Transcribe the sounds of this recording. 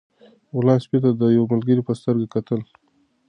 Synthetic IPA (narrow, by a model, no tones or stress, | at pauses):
wʊlɑspit̪ad̪əjawamalɡəɾipəst̪əɾɡakat̪əl